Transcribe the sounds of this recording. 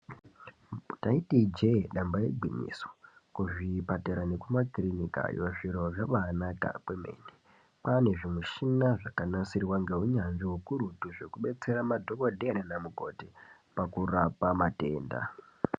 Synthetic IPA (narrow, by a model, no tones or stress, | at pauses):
taitid͡ʒeɗambajḛɡʱwimḭso̥kuʐipateɾane̞kumakrinika̰joʐiɾoʐaʋanaka̰kweme̞̰ːne | pane̞ʐimuʃinaʐakanasirwaŋɡe̞ɦuɲanʐiɦukuɾutuʐe̞kuɓe̞t͡se̞ɾamadʱokodʱenanamuko̞te | pakurapamate̞̰ːnda̰